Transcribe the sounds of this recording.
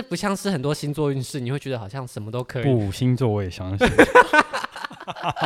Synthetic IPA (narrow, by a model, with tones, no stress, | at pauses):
ə˥˩pu˧˥ɕjɑ˥˧ŋʂɻ̩˥˩xə˨˩nt̪wɔ˥ɕi˥nt͡swɔ˥˧y˥˧nʂɻ̩˥˩ni˨˩we˥˩t͡ɕɥɛ˧d̪ə˧˩ɑ˨˩ɕjɑ˥˩ŋʂə˨˧˦nmə˧˦t̪o˦ʊkʰɤ˧˦˥iu˥˩˨ɕi˦˥nt͡swɔ˥˧we˥˩ɪ˨˩ɕjɑ˥ŋ˨